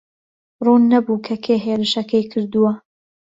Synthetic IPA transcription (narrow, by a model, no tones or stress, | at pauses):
ruːnːɐbuːkʰɐkʰeːɦeːɾɨʃɐkɐjkʰɨɾd̪uwɐ